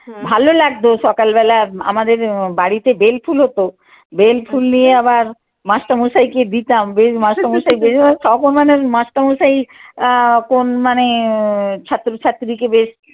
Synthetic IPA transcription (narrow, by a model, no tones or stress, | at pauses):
bʱalolaɡ̚d̪oʃɔkalbɛlaa̰mad̪eɾbaɽit̪ebelpʰulɦot̪o | belfʰulnijeabaɾ | mãʃʈamuʃajked̪it̪ambeʃmãʃamoʃaibeʃɔkonmanemãsʈamuʃai | konmane | t͡ɕʰat̪ːɾot͡ɕʰat̪ːɾikebeʃ